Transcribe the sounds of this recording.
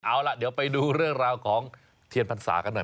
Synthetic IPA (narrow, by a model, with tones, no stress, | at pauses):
ʔa˧wla˧ʔdi˩˦əwpa˧jduː˧ɾɯ˥˩əŋɾaː˧wkʰɔː˩˦ŋ | t̪ʰi˧ənpʰa˧nsa̰ː˩˦ka˧nːɔ˨˩